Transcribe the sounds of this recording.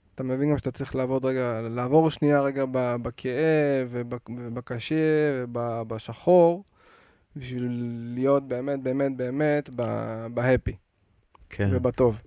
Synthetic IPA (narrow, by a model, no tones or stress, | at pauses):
atamevinɡamʃeat̪at͡sʁiχlaːvo̞d̪ʁeɡalaːvo̞ʁʃnijaʁe̞ɡababakʰeʔevebebakaʃevebabaʃaχo̞ʁ | biʃviilːijo̞t̚be̞ːmet̚beːme̞t̚be̞ːme̞tba̰bahepi | kʰevebato̞v